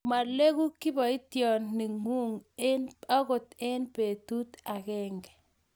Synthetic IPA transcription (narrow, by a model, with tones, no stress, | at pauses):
ma˨le˦ku˦ki˦bɔ˨i˦tjɔ˨nːi˨ŋu˦ŋena˦ko˨te˦npe˨tu˦ta˨kɛ˦ŋɡɛ̥˨